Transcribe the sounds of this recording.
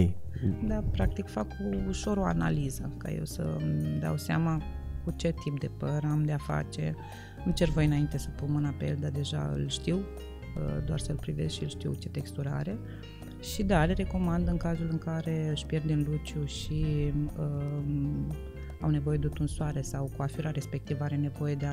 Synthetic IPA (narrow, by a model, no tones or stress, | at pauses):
d̪apɾak̚t̪ikfakuːʃo̞ɾo̞a̰na̰lizəka̰je̞̰wsə̰d̪ea̰wsea̰makut͡ʃe̞t̪ʰip̚d̪e̞pəɾamd̪eafa̰t͡ʃe̞̰ | ɨmt͡ʃe̞rvo̞jɨnaint̪e̞səpunmɨnape̞̰ld̪ad̪e̞ʒa̰ɨ̰lʃt̪iw | ə̰d̪oa̰rsəɨlpɾive̞zʃiɨlʃt̪iwt͡ʃe̞t̪e̞kst̪uɾa̰ɾe̞ | ʃid̪aleɾe̞ko̞mand̪ɨŋkazulɨŋkaɾe̞ɨʃpje̞rd̪emlut͡ʃjuʃiə | awne̞vo̞je̞d̪eut̪unsuaɾesawkuafiɾaɾe̞spe̞k̚t̪ivəaɾe̞ne̞vo̞je̞d̪ea